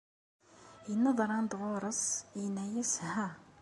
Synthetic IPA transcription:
jənːɑðˤɾˤɑnd̪woɾˤəsˤjənːæjæshæ

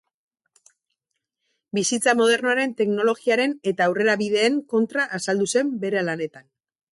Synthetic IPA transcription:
bisit͡samo̞ð̞e̞ɾnoaɾe̞nt̪e̞kno̞lo̞ɣiaɾe̞ne̞t̪aːwre̞ɾaβiðe̞ːŋko̞nt̪ɾaʔːsald̪use̞mbe̞ɾealane̞t̪an

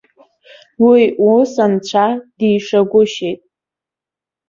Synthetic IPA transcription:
wiusant͡ɕʷʰad̥iːʂaɡʷʊʃejtʼ

